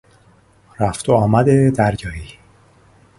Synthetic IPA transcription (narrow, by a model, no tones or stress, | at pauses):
ɾæft̪ʰoɒːmæd̪ed̪æɾjɒːhiː